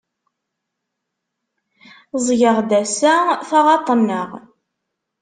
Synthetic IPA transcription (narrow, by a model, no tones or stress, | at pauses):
zˤʝəʁd̪æsæθɑʁɑt̪ˤənːəʁ